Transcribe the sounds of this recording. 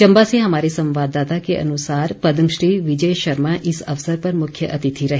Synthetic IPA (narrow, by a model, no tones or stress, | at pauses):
t͡ʃɐ̃mbaseɦɐmaːɾisɐ̃mʋaːd̪aːt̪akeʔɐ̰nʊsaːɾpɐd̪əmʃɾiːʋɪd͡ʒəjʃɐɾmaʔɪsɐʋsəɾpɐɾmʊkʰjəʔɐt̪ɪt̪ʰiɾɐɦe